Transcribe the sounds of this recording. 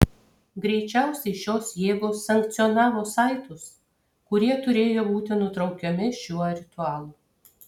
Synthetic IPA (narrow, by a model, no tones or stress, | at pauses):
ɡɾʲɛɪt͡ʃʲæˑʊsʲɛɪʃʲoːsjeːɡoːsːɐŋkt̪sʲɪɔnɑːʋoːsɑˑɪt̪ʊs | kʊɾʲiɛt̪ʊɾʲeːjoːbuːt̪ʲɪnʊt̪ɾɒʊkʲɛmʲɪʃʲuɔɾʲɪt̪ʊɑːlˠuː